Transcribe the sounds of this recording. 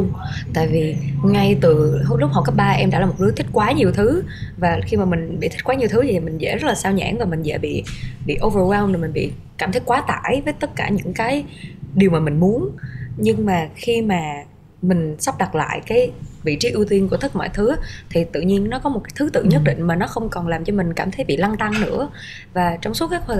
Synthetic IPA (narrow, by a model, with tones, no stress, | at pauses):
ʊ˧ŋ͡mt̪a̰ː˧˨jvi˨˩ŋa˧jt̪ɨ˨˩ɦlʊ˦˥k͡p̚ha˨˩wka˦˥ɓaː˧ʔɛ˧mɗa̰ː˧˥laː˨˩mo˨˩ɗɨ˨˦t̪ʰi˦˥k̟̚kwaː˨˦ɲi˨˩əwt̪ʰɨ˨˦vaː˨˩xi˧maː˨˩mï˨˩ŋ̟ɓḭ˧˨t̪ʰi̟˦˥kwa˨˦ɲi˨˩ət̪ʰɨ˨˦t̪ʰi˨˩i˨˩m˨˩ŋ̟zɛ̰˧˥zə˦˥t̚laː˨˩saː˧wɲa̰ː˧˥nvaː˨˩mï˨˩ŋzɛ̰ː˧˥ɓḭ˧˨ɓḭ˧˨ʔo˧və˧waː˧wnni˨˩m˨˩ŋ̟ɓḭ˧˨ | kaː˧˩mt̪ʰi˦˥k̚kwaː˨˦t̪a̰ː˧˨jvəː˨˦jt̪ə˦˥t̚kaː˧˩ɲɨ̰˧˥ŋkaː˨˦jɗi˨˩əwmaː˨˩mï˨˩ŋ̟mu˨˦ənɲɨ˧ŋmaː˨˩xi˧maː˨˩ | mï˨˩ŋ̟sa˦˥p̚ɗa˨˩t̚la̰ː˧˨jkaː˨˦jvḭ˧˨t͡ɕi˨˦ʔɨ˧wt̪wi˧ənku˧˩ət̪ʰk̚mɔ̰˧˨jt̪ʰɨ˨˦t̪ʰi˨˩t̪ɨ̰˧˨ɲi˧ənːɔ˨˦kɔ˨˦mo˨˩t̚kaː˨˦jt̪ʰɨ˨˦t̪ɨ̰˧˨ɲə˦˥t̚ɗḭ̈˧˨ŋ̟maː˨˩nɔ˨˦xə˧wŋ͡mkɔ˨˩nlaː˨˩mt͡ɕɔ˧mï˨˩ŋ̟kaː˧˩mt̪ʰə˨˦jɓḭ˧˨la˧ŋt̪a˧ŋnɨ̰˧˥ə | vaː˨˩t͡ɕwŋ͡msu˨˦˥tkaː˨˦jʰ